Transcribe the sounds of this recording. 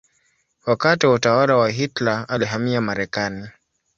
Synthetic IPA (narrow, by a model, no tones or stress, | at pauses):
wakatiwautawalawaɦitlaaliɦamiamaɾɛkani